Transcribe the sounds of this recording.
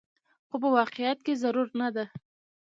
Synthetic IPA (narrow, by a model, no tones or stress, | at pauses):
xop̬əwɑqejat̪̚kezaɾuɾnad̪a